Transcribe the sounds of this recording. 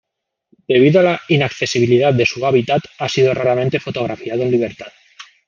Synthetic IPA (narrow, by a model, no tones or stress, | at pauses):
d̪̥eβ̞iðoalainakθesiβ̞iliðat̪̚d̪esuaβ̞it̪at̪asiðoraɾamẽnt̪efot̪oɣ̞ɾafiaðoenliβ̞eɾt̪at̪